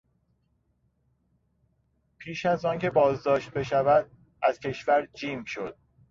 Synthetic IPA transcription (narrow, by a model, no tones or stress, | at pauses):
pʰiːʃæzɒːncʰe̞bɒːzd̪ɒːʃt̪̚be̞ʃævæd̪̚ | ʔæz̥cʰe̞ʃvæɾd͡ʒiːmʃo̞d̪̥̚